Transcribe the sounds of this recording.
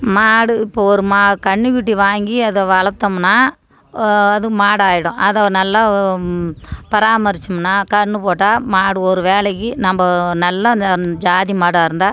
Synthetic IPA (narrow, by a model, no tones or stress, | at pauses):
maːɽɯɪpːoːɔɾɯmakɐɳːɯʋɪʈːiʋaːŋɡiɐðɐʋɐɭɐt̪ːɐmnːaː | ɐðɯmaːɽaːjɪɽʊ̃ʔɐðɐnɐlːɐ | pɐɾaːmɐɾɪt͡ʃːɐmnːaːkɐɳːɯpoːʈːaːmaːɽɯɔɾɯʋeːɭɐkːinɐmbɐnɐlːɐd͡ʒaːðimaːɽaːɪɾɯnd̪aː